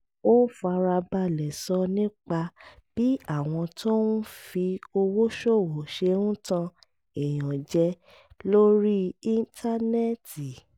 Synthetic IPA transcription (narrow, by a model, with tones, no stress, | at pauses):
o˦fa˧ɾa˧ba˧lɛ˨sɔ˧nĩ˦k͡pa˧b̥i˦a˦˨w̃ɔ̃˧to˦ũ˦fi˧o˧wo˦ʃo˦˨wo˨ʃe˧ũ˦tã˧ | e˨j̃ɔ̃˨d͡ʒɛ˧ | lo˦ɾi˦i˦n˦tʰa˦nɛ˦ti˨